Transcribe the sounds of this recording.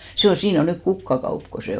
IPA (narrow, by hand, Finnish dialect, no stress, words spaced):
se on siːn o nyk kukːɑkɑup ko se